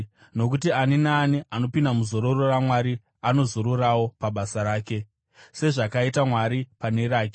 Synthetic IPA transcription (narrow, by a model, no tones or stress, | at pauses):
no̞kut̬ianinaːniʔano̞pindamuzo̞ɾo̞roramwaɾi | ano̞zoɾoɾawo̞paɓasaɾaːke̞ | se̞ʐakaitamwaɾipane̞ɾaːk̬e